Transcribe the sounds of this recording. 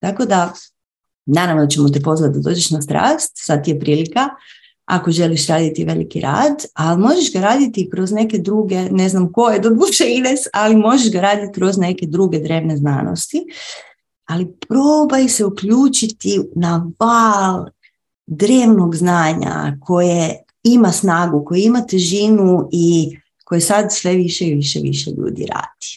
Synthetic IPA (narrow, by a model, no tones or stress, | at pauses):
t̪ako̞d̪a | naːɾaʋnot͡ɕemot̪ipo̞zʋat̪̚d̪ad̪o̞ːd͡ʒe̞ʃnast̪ɾa̰ːst̪sad̪̚t̪ijepɾiːlika | ako̞ʒe̞liʃɾaːd̪it̪iʋe̞lḭkḭɾa̰ːd̪alimo̞ʒeʃɡaɾaːd̪it̪ikɾo̞zne̞ke̞d̪ɾuːɡe̞ne̞znamko̞jed̪od̪uʃeinesalimo̞ʒeʃɡaɾaːd̪it̪̚kɾo̞zne̞ke̞d̪ɾuːɡe̞d̪ɾe̞ːʋne̞zna̰ːno̰st̪i | alipɾobajse̞ukʎuːt͡ʃit̪inaʋalˠ | d̪ɾeːʋno̞ɡznaːɲa̰kʰo̞je | imasnaːɡuko̞jeimat̪eʒinui | ko̞jesad̪sʋe̞ʋiʃeiʋiʃḛʋḭʃḛʎṵːd̪ḭɾa̰ːd̪̥i̥